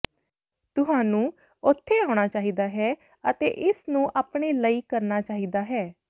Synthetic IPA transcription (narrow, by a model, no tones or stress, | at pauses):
t̪ʊɦãːnũː | ʊt̪ʰːeːaːʊɽ̃aːt͡ʃaːɦiːd̪aːɦɛː | ət̪ḛːʔɪsnũːʔaːpɽeːləiːkəɾnaːt͡ʃaːɦiːd̪aːɦɛː